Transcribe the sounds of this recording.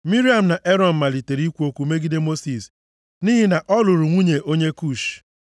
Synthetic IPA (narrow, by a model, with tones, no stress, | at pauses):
mi˦ɾi˦a˨m̩˨na˨ʔe˦ɾɔ˨m̩˨ma˨li˨te˨ɾi˦kʷu˦o˦kʷu˦me˦ɡi˦de˦mo˦si˨s | ni˦ɦi˦na˨ʔɔ˦lʊ˨ɾu˨ŋʷu˦ɲe˨ʔo˦ɲe˦ku˦˨ʃ